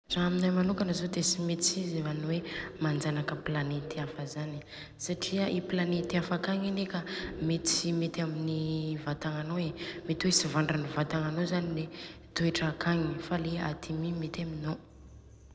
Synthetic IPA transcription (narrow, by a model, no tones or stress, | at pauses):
z̥aɦaminajmanukanəzod̪esimet̪t͡sizivanwemand͡zanakəplanet̪iafəzani̥ | saʈ͡ʂiəʔiplanet̪iafakaŋinekəmet̪imet̪aminivat̪aŋanoemet̪iwesivaɳɖ͡ʐanivat̪aŋanozanile | t̪ueʈ͡ʂakaŋifaleat̪ʰimimet̪amino